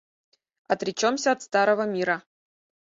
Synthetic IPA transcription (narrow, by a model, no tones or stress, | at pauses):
ɐt̪ɾʲɪt͡ɕomsʲəɐt̪st̪aɾəvəmʲiɾə